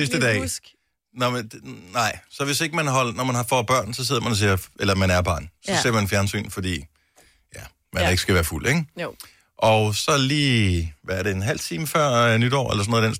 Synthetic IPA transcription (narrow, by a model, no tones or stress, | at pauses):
sisd̥əd̥ɛ̰ː | nɒmnɑ̈ɪ̰sɒ̽ʋe̝se̝ɡ̥əmænɦɒ̽l̰nɒmænhɑ̈fɒb̥ɶɐ̰nsɒ̽se̝ð̞̰ˠɐmænɒs̬iːɐelɐmænæɐb̥ɑ̈nsɒ̽se̝ɐ̰mænfjæɐnsy̰ːn̩fɒ̽d̥ḭː | jæ | mænd̥æe̝ɡ̥əsɡ̥æʋæːɐful̰eŋ | ʔɒ̽ʊsɒ̽liːʋææɐɾe̝enɦæl̰t͡sʰiːməfɶɐ̰nyd̥ɒ̰ːḛlɐsɒnoːðˠd̥ens